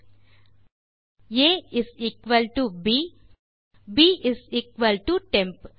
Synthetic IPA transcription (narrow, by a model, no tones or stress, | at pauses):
jeɪziːkʋəlʈubi | biːʔɪziːkʋəlʈuʈẽmp